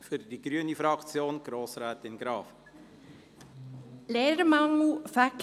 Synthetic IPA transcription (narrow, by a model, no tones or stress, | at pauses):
fyrdiɡryənifrɑkt͡sjoːnɡ̥roːsraːtɪnɡ̥ɾɑːf | leːɾmɑŋl̩fæk